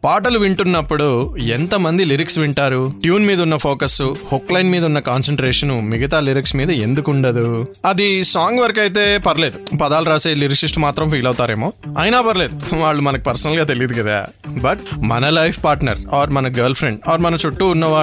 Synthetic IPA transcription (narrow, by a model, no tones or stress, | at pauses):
paːʈɐluʋiɳʈunːɐpːuɽuent̪ɐmɐnd̪iliɾiksʋiɳʈaːɾuʈjuːnmiːd̪ɐunːɐpʰoːkɐsuhoklɐjnmiːd̪ɐunːɐkaːnsɐɳʈɾɛːʂɐnumiɡɐt̪aːliɾiksmiːd̪ɐe̞nd̪ukuɳɖɐd̪uɐd̪isaːŋɡʋɐɾkɐjt̪e̞ːpɐɾɐle̞ːd̪upɐd̪aːlɾaːseːliɾiksisʈmaːt̪ɾɐmpʰiːlɐwut̪aːɾeːmo̞ːɐːjnaːpɐɾɐle̞ːd̪uʋaːɭːumɐnɐki̥pɐɾsɐnɐlɡaːt̪e̞lijɐd̪ukɐd̪a̰ː | bɐʈ̚mɐnɐlɐjpʰpaːɾʈnɐ̰ɾaːɾmɐnɐɡɐːɾlpʰɾeɳɖaːɾmɐnɐt͡ʃoʈːuːnːɐʋaː